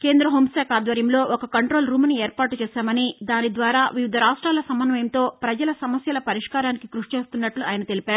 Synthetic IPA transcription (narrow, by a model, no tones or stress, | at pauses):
ke̞ːnd̪ɾɐɦoːmsaːkʰaːd̪ʋɐɾjɐmlo̞ːʔɔkɐkɐɳʈɾoːlɾuːmɐnieːɾpaːʈut͡ʃɛːsaːmɐnid̪aːnid̪ʋaːɾaːʋiʋid̪ʱɐɾaːʂʈɾaːlɐsɐmɐnʋɐjɐmt̪o̞ːpɾɐd͡ʒɐlɐsɐmɐsjɐlɐpɐɾiʂkaːɾaːnikikɾuʂt͡ʃe̞ːst̪unːɐʈluaːjɐnɐt̪elipaːɾu